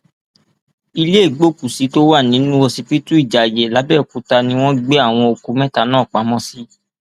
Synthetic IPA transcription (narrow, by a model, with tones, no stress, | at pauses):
i˧le˦˨ɡ͡bo˦ku˨si˨˦to˦wa˦˨nĩ˨˦nũ˦wɔ˧si˧pi˦tũ˦i˦˨d͡ʒa˨jɛ˨la˨˦bɛ˦˨ku˨˦ta˧nĩ˧˦w̃ɔ̃˦ɡ͡be˦a˦˨w̃ɔ̃˧o˨ku˨˧˦mɛ̃˦ta˧˦nãː˦˨k͡pa˨˦mɔ̃˦si˦